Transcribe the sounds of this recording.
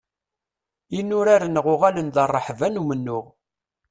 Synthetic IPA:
inːʊɾaɾənəʁʊʁalənðərˤːəħvænumənːʊʁ

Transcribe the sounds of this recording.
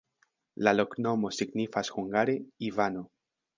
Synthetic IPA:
lalokno̞mo̞siɡnifasxuŋɡaɾeivano

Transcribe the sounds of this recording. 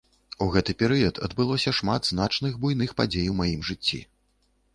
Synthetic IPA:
uɣɛt̪ɨpʲɛɾɨjɐt̪ɐ̰d̪bɨlˠɔsʲɐʂmad̪zn̪at͡ʂnɨɣbujnɨxpad͡zʲejwmajimʐɨt͡sʲːḭ

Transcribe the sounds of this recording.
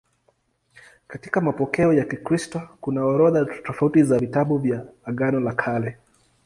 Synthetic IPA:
katikamapɔkɛɔjakikɾistɔkunaɔɾɔðatɔfautizavitaɓuvjaːɠanɔlakʰalɛ

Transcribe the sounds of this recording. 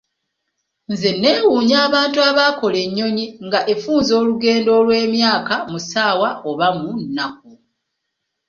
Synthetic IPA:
nze̞nːe̞ːwuːɲaːβaːntuaβaːko̞le̞ɲːo̞ɲiŋɡaʔe̞fuːnzo̞ːluɡe̞ːndo̞ːlwe̞ːmjaːkamusaːwaoβamunːak̚u

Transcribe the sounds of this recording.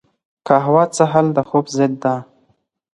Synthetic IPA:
kaɦawɑt͡səɦald̪əxobzɪd̪ːa

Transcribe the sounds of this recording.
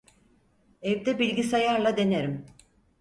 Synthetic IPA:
evd̪ɛbilʲɡʲisajaɾlˠad̪e̞neɾim

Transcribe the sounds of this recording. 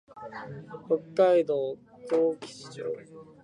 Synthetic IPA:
hokːaid̪oː | t̪oːkʲi̥sɨ̥t͡ɕo̰ː

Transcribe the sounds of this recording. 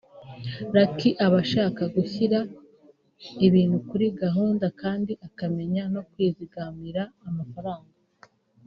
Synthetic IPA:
ɾakiʔaβaʃaːkaɡuçiɾa | iβiːnhukuɾiɡaɦuːndakaːndiʔakame̞ɲano̞kwiːziɡamiɾaːmafaɾaːŋɡa

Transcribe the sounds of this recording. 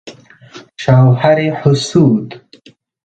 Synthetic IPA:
ʃawhaɾeħʊsuːd̪

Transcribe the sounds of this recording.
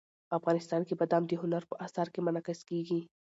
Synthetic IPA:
ɐfɣaːnɪst̪aːnkibɐd̪aːmd̪iɦʊnəɾpoʔaːsaːɾkemɐnaːkɪskiːɡiiː

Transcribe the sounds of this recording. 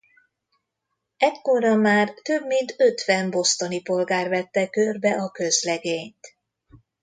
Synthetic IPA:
ɛckːoɾɒmaːrt̪øbmint̪øt̪ʋɛnbo̞st̪onipo̞lɡaːrvɛt̪ːɛkørbɛʔɒkø̞zlɛɡeːɲt̪

